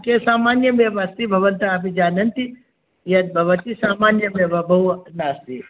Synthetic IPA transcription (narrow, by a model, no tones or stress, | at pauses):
kesaːmaːnjɐbeʋast̪ibʱɐʋɐnt̪ɐɐpid͡ʒaːnɐnt̪i | jɐt̪̚bʱɐʋɐt̪isaːmaːnjɐbebabʱɐwnaːst̪ḭ